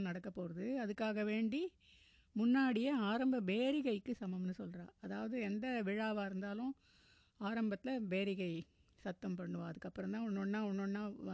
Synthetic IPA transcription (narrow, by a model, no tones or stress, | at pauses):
nɐɽɐkːɐpːoːɾɐðɯɐðɯkːaːɣɐʋeːɳɖi | mʊnːaːɽɪjɐaːɾɐmbɐbeːɾɪɣɐɪkːɯsɐmɐmnɯsɔlɾãːɐðaːʋɐðɯɛnd̪ɐʋɪɻaːʋaɪɾɯnd̪aːlʊ̃ | aːɾɐmbɐt̪ːɪlɐbeːɾɪɣɐɪ | sɐt̪ːɐmpɐɳːɯʋãːɐðɯkːɐpːɯɾɔ̃t̪ãːɔnːɔɳːãːɔnːɔɳːãː